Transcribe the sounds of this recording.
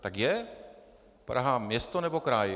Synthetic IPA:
t̪ɐkjɛ | pɐɾɐɦamjest̪onɛbokɾaːj

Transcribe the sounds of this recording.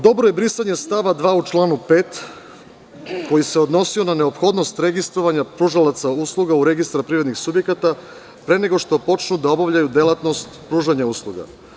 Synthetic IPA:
d̪o̞bɾo̞je̞bɾisaɲe̞st̪aʋad̪ʋaːut͡ʃlˠaːnupe̞ːt̪ | ko̞jiseo̞d̪no̞sio̞nane̞o̞pxo̞d̪no̞st̪ɾe̞ɡist̪ɾo̞ʋaɲapɾuːʒalat̪sauslˠuɡauɾe̞ɡist̪ɾapɾiɾed̪nixsubje̞kat̪a | pɾe̞ne̞ɡo̞ʂt̪o̞po̞t͡ʃnud̪ao̞baʋʎajud̪elˠat̪no̞st̪pɾuːʒaɲauslˠuɡa̰

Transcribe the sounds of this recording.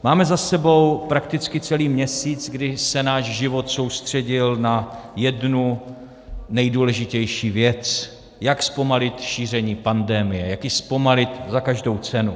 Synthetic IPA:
maːmɛzasɛbo̞wpɾakt̪ɪt͡skɪt͡sɛliːmɲɛsiːt͡sɡdɪsɛnaːʃʒɪvo̞t̪so̞wst̪r̝̥ɛɟɪlnajɛdnu | nɛjduːlɛʒɪcɛjʃiːvjɛt͡s | jakspo̞malɪt̪ʃiːr̝ɛɲiːpandɛmɪjɛjakɪspo̞malɪt̪zakaʒdo̞wt͡sɛnu

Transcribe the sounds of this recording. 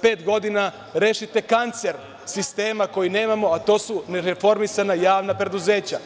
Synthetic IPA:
pe̞ːt̪ɡo̞d̪ina | ɾeːʃit̪e̞kant̪se̞ɾ | sist̪e̞ːmako̞jine̞ːmamo̞at̪o̞ːsuneɾefo̞ɾmisanajaːʋnapɾe̞d̪uze̞ːt͡ɕa

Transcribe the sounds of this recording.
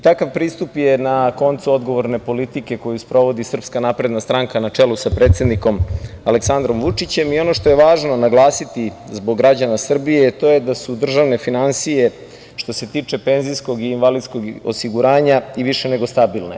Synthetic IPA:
t̪akaʋpɾiːst̪upjenako̞nt̪suo̞d̪ɡo̞ʋo̞ɾne̞po̞lit̪ike̞ko̞juspɾo̞ʋo̞d̪isr̩pskanapɾe̞d̪nast̪ɾaŋkanat͡ʂelusapɾe̞ːt̪se̞d̪niko̞maleksand̪ɾo̞mʋut͡ʂit͡ɕe̞mio̞no̞ʃt̪ojeʋaːʒno̞naɡlˠaːsit̪izbo̞ɡːɾad͡ʑanasr̩bije̞t̪o̞jed̪asud̪r̩ʒaʋne̞finansije̞ | ʃt̪o̞se̞t̪iːt͡ʂe̞pe̞nzijsko̞ɡiːnʋalid̪sko̞ɡo̰siɡuɾaːɲaiʋiʃe̞ne̞ɡo̞st̪abilne̞̰

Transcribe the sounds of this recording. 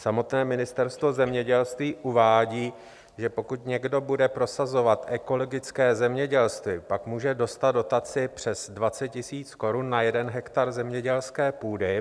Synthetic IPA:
samo̞t̪nɛːmɪnɪst̪ɛɾst̪vo̞zɛmɲɛɟɛlst̪viːʔuvaːɟiː | ʒɛpo̞kut̪ɲɛɡdo̞budɛpɾo̞sazo̞vat̪ʔɛko̞lo̞ɡɪt͡skɛːzɛmɲɛɟɛlst̪vɪpakmuːʒɛdo̞st̪ad̪do̞t̪at͡sɪpr̝̥ɛz̥dvat͡sɛt̪̚cːɪsiːt͡sko̞ɾunːajɛdɛnɦɛkt̪aɾzɛmɲɛɟɛlskɛːpuːdɪ

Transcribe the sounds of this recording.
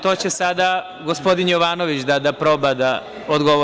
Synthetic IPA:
t̪o̞ːt͡ɕesad̪a | ɡospo̞d̪injoʋaːno̞ʋit͡ɕd̪ad̪apɾo̞bad̪a | od̪ɡo̞ʋo

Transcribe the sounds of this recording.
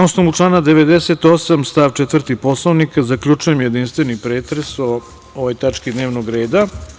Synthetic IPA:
nosnomuʈ͡ʂlˠaːnad̪eʋed̪ese̞t̪o̞samst̪aːʋt͡ʃɛt̪ʋrt̪ipo̞slˠoʋnikazakʎʲut͡ʂuje̞mjed̪inst̪ʋenipɾeːt̪ɾeso | oʋojt̪at͡ʂkid̪ne̞ːʋnoɡɾe̞ːd̪a

